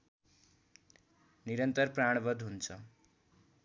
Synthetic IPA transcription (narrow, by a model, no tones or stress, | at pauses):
niɾʌnt̪ʌrpraɽ̃bʌd̪ɦunt͡sʰʌ